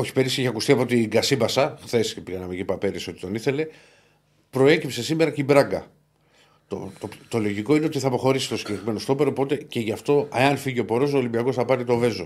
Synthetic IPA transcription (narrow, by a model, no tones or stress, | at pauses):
o̞çi̥pe̞ɾiseçiɐkust̪iɐpo̞t̪iɡɐsibɐsɐxθe̞spiɣɐnɐmecipɐpeɾiso̞t̪i̥t̪o̞niθe̞le̞ | pɾo̞e̞cipse̞sime̞ɾɐcibɾɐɡɐ | t̪o̰t̪ot̪o̞lo̞ʝiko̞ineo̞t̪iθɐpo̞xo̞ɾisi̥t̪o̞siɲɟe̞kɾime̞nost̪o̞peɾopo̞t̪e̞ce̞ʝɐft̪o̞eɐnfiʝio̞po̞ɾo̞solimbiɐɣo̞sθɐpɐt̪it̪o̞ve̞zo